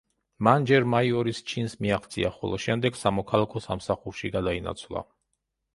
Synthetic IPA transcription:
mand͡ʒɛɾmaiɔɾist͡ʃʰinsmiaχt̪sʰʼiaχɔ̰lˠɔ̰ʃɛmd̪ɛɡsamɔkʰalˠakʰɔsamsaχuɾʃiɡad̪aina̰t̪sʰlˠa̰

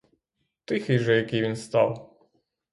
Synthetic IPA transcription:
t̪ɪxɪjʒɛjɐkɪjʋʲinst̪ɑ̰w

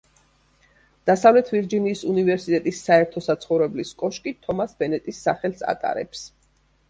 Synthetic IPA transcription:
d̪̥asavlɛt̪ʰviɾd͡ʒiniːsunivɛɾsit̪ʼɛt̪ʼisːaɛɾt̪ʰɔsat̪sʰχɔvɾɛbliskʼɔʃkʼit̪ʰɔmasbɛnɛt̪ʼisːa̰χɛlsa̰t̪ʼa̰ɾɛ̰ps

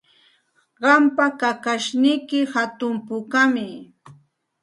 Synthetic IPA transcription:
ɢɑmpakakaʃnɪjkɪhat̪ʊmpʊkamɪ

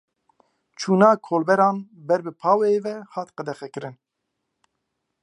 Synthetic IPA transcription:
t͡ʃʰuːnɑːkʰoːlbɛɾɑːnbɛɾbɨpʰɑːwɛeːvɛhɑːt̪qɛd̪ɛxɛkɨɾɨn

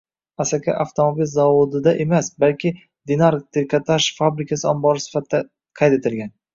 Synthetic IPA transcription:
asakʲʰa̰ʔaft̪ʰomabilzavod̪ɪd̪aʔemasbalkʲɪ | d̪ɪnaɾt̪ʰɪɾkʲʰat̪ʰaʃfabɾɪkʰasɪɒmbɒɾɪsɪ̥fat̪ʰːa | qʰɑjt̪e̞t̪ʰɪlɡʲan

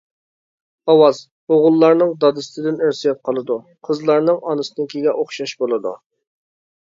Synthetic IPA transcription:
ɑwɑz | oʁʊlˠːɑɾnɨŋd̪ɑd̪ɨst̪ʰɨd̪ɪnɪɾsɪjɑp̚qʰɑlˠɨd̪u | qʰəzlˠɑɾnɨŋɑnɨsɨnɪkʲiɡʲɛʔoχʃɑʃbolˠɨd̪ṵ

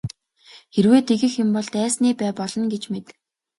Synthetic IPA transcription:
xerweːt̪ʰeɣɘ̆xjʊ̆mpɔɮt̪æːsniːpæːpɔɮɞ̆nɡet͡ɕmet̪

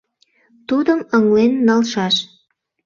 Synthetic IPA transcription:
t̪ud̪əməŋlenːɑlʃɑʃ

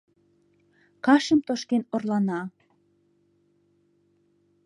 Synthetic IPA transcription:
kɑʃəmt̪oʃkenorlɑnɑ

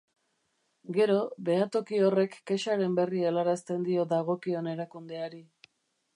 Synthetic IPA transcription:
ɡe̞ɾo̞be̞at̪o̞kio̞re̞kːe̞ʃaɾe̞mbe̞rielaɾast̪e̞nd̪io̞ðaɣ̞o̞kio̞ne̞ɾakund̪e̞aɾi

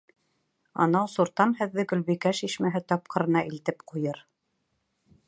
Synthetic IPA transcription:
ɑ̰nɑwsuɾt̪ɑnhɘ̆ðːɘɡɵ̆lβikæʃiʃmæɦɘt̪ɑp̚qɤ̆ɾɤ̆nɑʔilt̪ɘpqujɤɾ

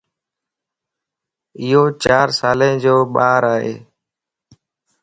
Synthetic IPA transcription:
ɪɦoːt͡ʃaːɾsaːlẽːd͡ʒoːɓaːɾaːɦḛː

